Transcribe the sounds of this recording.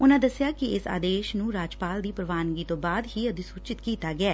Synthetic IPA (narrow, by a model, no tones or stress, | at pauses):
ʊnãːd̪əsɪjaːkɪɪsa̰ːd̪eːʃnũːɾaːd͡ʒpaːld̪iːpɾəʋaːnɡiːt̪õːbaːd̪ɦiːəd̪ĩːsuːt͡ʃɪt̪kiːt̪aːɡɪɛː